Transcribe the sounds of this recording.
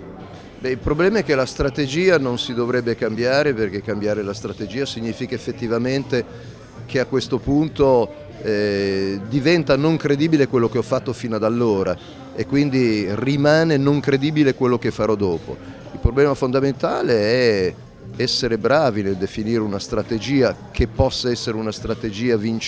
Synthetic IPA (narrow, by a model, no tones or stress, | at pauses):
bɛilpɾoblɛːmaɛk̟ːelast̪ɾat̪ed͡ʒiːanonsid̪ovɾɛbːekambjaːɾeperk̟ekːambjaːɾelast̪ɾat̪ed͡ʒiːasiɲːiːfikaefːet̪ːivament̪e | k̟ʰeakːwest̪opunt̪o | ɛd̪ivɛnt̪anoŋkɾed̪iːbilekwelːok̟eɔfːat̪ːofiːnad̪alːoːɾa | ekːwind̪irimaːnenoŋkɾed̪iːbilekwelːok̟efːaɾɔd̪ɔːpo̰ | ilpɾoblɛːmafond̪ament̪aːleɛ | ɛsːeɾebɾaːvineld̪efiniːɾeunast̪ɾat̪ed͡ʒiːakʰepːɔsːaɛsːeɾeunast̪ɾat̪ed͡ʒiːavint͡ʃ